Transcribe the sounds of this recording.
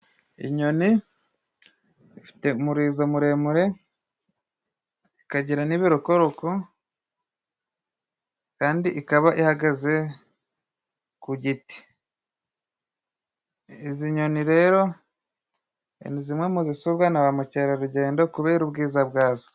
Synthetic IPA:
ḭɲo̞ni | ifi̥te̞umuɾiːzomuɾe̞muɾe̞ | ikaɟiɾaniβiɾokoɾoko | kaːndiʔːkaβaʔihaɡaze̞ | kuɟiti̥ | iziɲo̞niɾe̞ːɾo̞ | ḛnizimŋe̞muzisuβɡanaβamuceɾaɾuɟe̞ːndokuβeɾubɡiːzabɡaːzo̥

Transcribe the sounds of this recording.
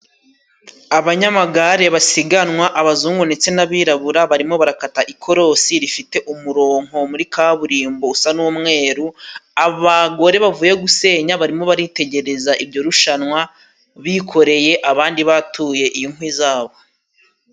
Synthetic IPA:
aβaɲamaɡaɾe̞βasiɡanŋwaʔaβazuːŋɡonet͡se̞naβiːɾaβuɾaβaɾimo̞βaɾakataʔikʰo̞ɾo̞siɾifite̞ʔumuɾo̞ːŋ̥o̞muɾikaβuɾiːmbo̞usanumŋe̞ːɾuaβaɡo̞ɾe̞βavuːje̞ɡuse̞ːɲaβaɾimo̞βaɾite̞ɟe̞ɾe̞zaʔibɟo̞ɾuʃanwa | βikʰo̞ɾe̞je̞ʔaβaːndiβatuje̞ʔijiŋ̥wizaːβo̞

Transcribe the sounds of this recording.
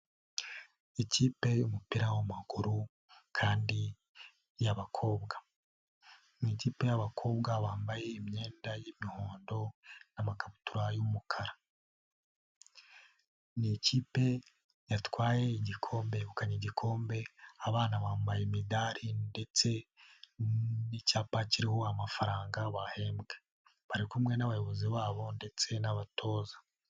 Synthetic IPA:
iciːpe̞jumupiɾawamaɡ̥uɾu | kʰaːndi | jaβakʰo̞ːbɡḁ | niciːpe̞jaβakʰo̞ːbɡaβaːmbaje̞imɲe̞ːndajimihoːndo̞namakaβutuɾajumukʰaɾa | niciːpe̞ | jatwaːje̞iɟikʰo̞ːmbe̞βukaɲiɟikʰo̞ːmbe̞aβaːnaβaːmbajemidaɾinde̞t͡se̞ | nicaːpaciɾiho̞amafaɾaːŋɡaβahe̞mɡe | βaɾikumŋe̞naβajo̞βo̞ziβaːβo̞nde̞t͡se̞naβatʰo̞ːzḁ

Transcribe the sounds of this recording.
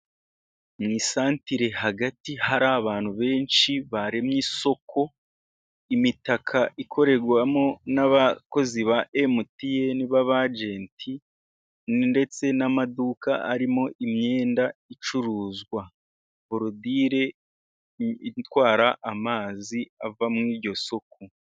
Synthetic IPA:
mŋiːsaːntiɾe̞haɡatihaɾaːβaːn̥huβe̞ːnʃiβaɾe̞mɲiso̞kʰo̞ | imitakʰaʔikʰo̞ɾe̞ɾɡwamo̞naβako̞ziβaʔemutijeniβaβad͡ʒe̞ːntʰi | nnde̞t͡se̞namadukaaɾimo̞ʔimɲe̞ːndait͡ʃuɾuːzɡwa | βuɾudiːɾe̞ | itwaːɾaʔːmaːziavamŋiːɾɟo̞so̞k̚o

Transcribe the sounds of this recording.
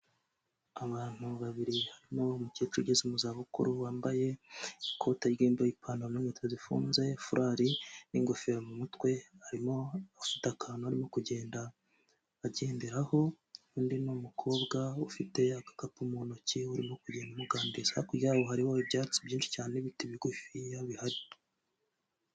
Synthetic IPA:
aβaːn̥uβaβiɾihaɾimo̞mucet͡ʃuɟezimuzaβukṵɾuwaːmbaje̞kʰo̞ːtaɡiːmboipʰaːnomiŋetozifṵːnze̞fuɾʔaɾiniŋɡofeɾamumutwe̞haɾimo̞afi̥takʰanohaɾimo̞kuɟe̞ːndaː | ɟe̞ːndeɾaho̞ | undinumukʰo̞ːbɡaufite̞akḁkapumuːnociuɾimo̞kuɟeːndumuɡaːndizakujaβohaɾihoibɟaːt͡si̥bɟiːnʃi̥caːneβitiβiɡufijaβihaɾi

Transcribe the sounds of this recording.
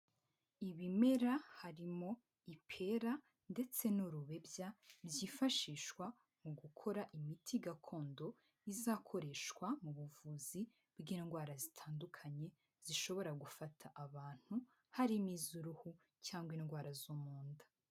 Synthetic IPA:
iβime̞ɾahaɾimo̞ | ipʰe̞ɾa | nde̞t͡se̞nuɾuβe̞bjabjiːfaʃiːʃkwa | muɡukʰo̞ɾaʔimitʰiɡakʰo̞ːndo̞ | izaːkʰo̞ɾe̞ʃkwamuβuvuːzi | bɡiːnɡwaːɾazitʰaːndukʰaɲe̞ | z̥iʃo̞βo̞ɾaɡufatʰaʔaβaːn̥hu | haɾimiːzuɾuhu | caːŋɡwiːnɡwaːɾazumuːndḁ

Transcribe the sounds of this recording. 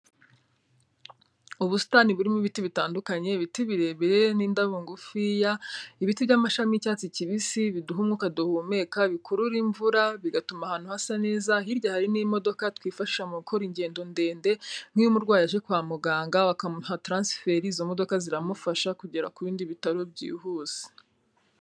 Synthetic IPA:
uβusi̥taːniβuɾimuβitiβitaːndukaɲe̞βitiβiɾe̞βiɾeniːndaβuŋɡufijaiβitivɟamaʃamicaːt͡siciβisiβiduɦumŋukaduhume̞kaβikʰuɾuɾiɱvuɾaβiɡatumahaːn̥uhasane̞ːzaɦiɾɟahaɾinimo̞do̞katwiːfaʃi̥ʃamukʰo̞ɾiɲɟe̞ːndo̞nde̞ːnde̞m̥hijumuɾɡwaːjaʒe̞kwaːmuɡaːŋɡaβakamun̥hatɾaːnsfe̞ːɾiːzomo̞do̞kaziɾamufaʃakuɟeɾa̰kuβiːndiβitaɾobɟḭːɦuːz̥e̥

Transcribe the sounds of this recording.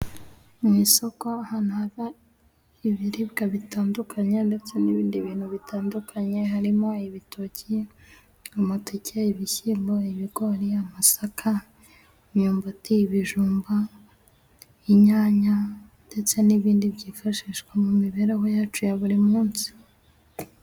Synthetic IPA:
mŋiːso̞ko̞ahaːnuhaβa | iβiɾibɡaβitaːndukʰaɲende̞t͡se̞niβiːndiβiːn̥huβitʰaːndukʰaɲe̞ɦaɾimo̞iβitʰoci | amatecʰeiβiçiːmboiβiɡoɾiamasakʰa | imɲuːmbotiːβiʒuːmba | iɲaːɲande̞t͡se̞niβiːndiβɟiːfaʃiʃkwemumiβeɾeɦo̞jaːt͡ʃujaβuɾimuːnsi̥

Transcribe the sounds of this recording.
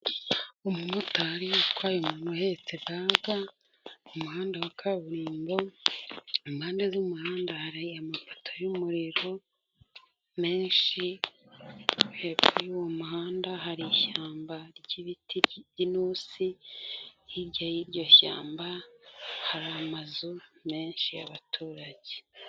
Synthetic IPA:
omumutaɾikwaːjomuːnhohet͡seɡaːɡa | omuhaːndawakʰaβuɾiːmbo̞ | umhaːndezumuhaːndahaɾaiamafo̥tʰojumuɾiɾo̞ | me̞ːnʃi | hebujiwomuɦaːndaɦaɾiʃaːmbaɾɟiβitʰiɟinusi | jiɾɟajiɾɟo̞ça̰ːmba | haɾamazume̞ːnʃija̰βatʰuːɾaɟe

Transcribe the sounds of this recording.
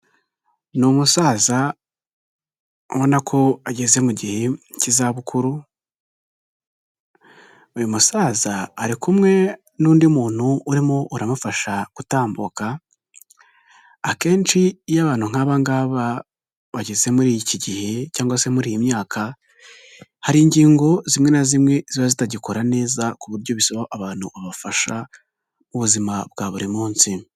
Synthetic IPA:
numusaːza | owonakʰo̞aɟe̞ze̞muɟihecizaβukʰuɾu | ujomusaːzaːɾikumŋe̞ | nuːndimuːn̥huːɾimoʔuɾamufaʃakutaːmboka | ke̞ːnt͡ʃijaβaːn̥uŋ̥haːβaŋɡaːβa | βaɟeze̞muɾiːjiciɟihe̞caːŋɡwase̞muɾiːjimɲaːkʰa | haɾiːɲɟiːŋɡo̞zimŋe̞nazimŋe̞z̥iβazitaɟiko̞ɾane̞ːzakuβuɾɟo̞βisoβaʔaβaːn̥huβaβafaʃa | muβuzimabɡaːβuɾimuːnsi

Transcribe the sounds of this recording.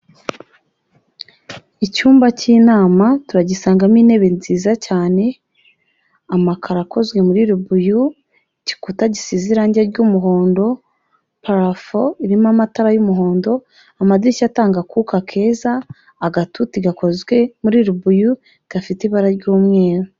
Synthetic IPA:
icuːmbaciːnaːmatuɾaɟisaːŋɡamine̞βe̞nziːzacaːne̞ | amakʰaɾako̞zwe̞muɾiɾubuju | ci̥kutaɟisiːziɾaːɲɟeɾɟumuɦo̞ːndo̞ | paɾafoiɾimamataɾajumuɦo̞ːndo̞ | amadicataːŋɡakukakʰe̞ːzaː | ɡatutiɡako̞zɡwe̞muɾiɾubuju | iɡ̥afitiβaɾaɾɟuːmŋe̞ːɾo

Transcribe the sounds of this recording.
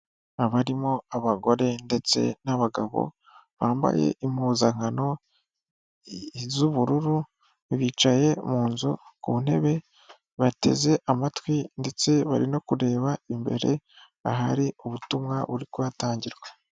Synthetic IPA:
aβaɾimo̞aβaɡo̞ɾe̞nde̞t͡se̞̰naβaɡaβo̞̰ | βaːmba̰je̞̰ʔim̥uːzaŋhano̞ | zuβuɾuɾu | βiːt͡ʃaje̞muːnzukṵun̥e̞βe̞ | βate̞̰ze̞ʔamatwinde̞t͡se̞βa̰ɾino̞kuɾe̞ːβaimbe̞̰ɾe̞̰ | aɦaɾiuβutumŋaβuɾikuβataːɲɟiɾɡwe

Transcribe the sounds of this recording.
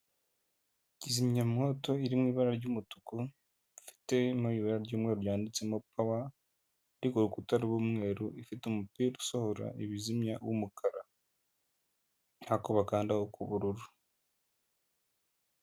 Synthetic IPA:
cizimɲamŋo̞ːto̞iɾimwiːβaɾaɾɟumutuku | fi̥te̞noiːβaɾaɾɟoːmŋeːɾujaːndit͡se̞mopawa | ɾikuɾukutaɾuβwuːmŋe̞ːɾuifitumupiːɾosohoɾa̰ʔiβizimɲawṵmukʰaɾa | hakoβakaːndahokʰuβuɾuɾu

